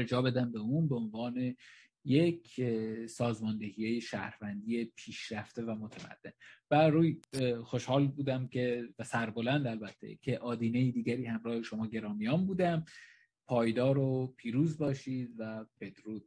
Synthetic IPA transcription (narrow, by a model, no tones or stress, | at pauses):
ɾd͡ʒɒːbe̞d̪æmbe̞uːnbeo̞nvɒːne̞ | jecʰsɒːzmɒːnd̪e̞hijejeʃæ̰ːɾvænd̪iːe̞pʰiːʃɾæft̪e̞væmot̪ʰemæ̰d̪̥ːe̞nbæɾuːjxo̞ʃhɒːlbuːd̪æmcʰe̞væsæɾbo̞lænd̪ælbæt̪ʰːḛcʰe̞ʔɒːd̪iːnejiːd̪iːɟæɾiːhæmɾɒːhe̞ʃo̞mɒːɟe̞ɾɒːmijɒːmbuːd̪æm | pʰɒːjd̪ɒːɾopʰiːɾuːzbɒːʃiːd̪væbe̞d̪̥ɾuːd̪